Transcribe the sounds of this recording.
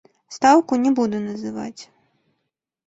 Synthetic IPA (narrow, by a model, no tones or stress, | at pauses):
st̪awkunʲɛbud̪ɛnɐzɨva̰t͡sʲ